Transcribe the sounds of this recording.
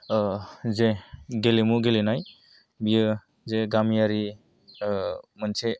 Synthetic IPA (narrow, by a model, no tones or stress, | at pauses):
zeɡelemuɡelenaj | bijɯ | zeɡamijaɾi | mənse